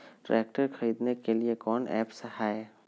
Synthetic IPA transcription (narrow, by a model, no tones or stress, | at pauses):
ʈɾɛ̰ːk̚ʈəɾkʰɐɾiːd̪nekeliekɔːnɛ̰ːpsɐɦaːe